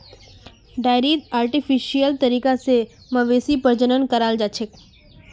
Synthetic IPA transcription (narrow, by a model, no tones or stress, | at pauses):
ɖajɾit̪aːɾʈifiʃijəlt̪əɾiːkase | mə̃ʋesipəɾd͡ʒənənkəɾald͡ʒat͡ʃʰek